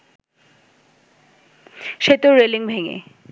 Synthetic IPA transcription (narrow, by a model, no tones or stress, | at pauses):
ʃet̪eɾeliŋbʱeŋḛ